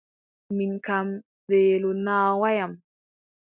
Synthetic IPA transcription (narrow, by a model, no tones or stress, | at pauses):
minkam | ɗɛːlunaːwajam